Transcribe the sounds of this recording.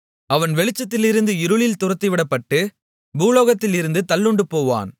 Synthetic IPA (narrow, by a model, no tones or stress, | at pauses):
ɐʋɐnʋɛɭɪt͡ʃːɐt̪ːɪlɪɾɯnd̪ɯɪɾɯɭɪlt̪ʊrɐt̪ːɐɪʋɪɽɐpːɐʈːɯ | buːloːɣɐt̪ːɪlɪɾɯnd̪ɯt̪ɐlːɯɳɖɯpoːʋa̰ːn